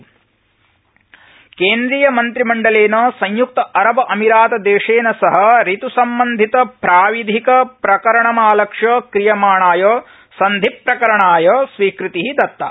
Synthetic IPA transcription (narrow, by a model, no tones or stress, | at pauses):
keːnd̪ɾijɐmɐnt̪ɾimɐɳɖɐleːnɐsɐɲjuk̚t̪ɐʔɐɾɐbɐʔɐmiɾaːt̪ɐd̪eːʂeːnɐsɐɦɐ̆ɾit̪usɐmbɐnd̪ʱit̪ɐpɾaːʋid̪ʱikɐpɾɐkɐɾɐɳɐmaːlɐkʂɐkɾijɐmaːɳaːjoː | sɐnd̪ʱipːɾɐkɐɾɐɳaːjoːsʋiːkɾit̪iɦid̪ɐt̪ːɐ̰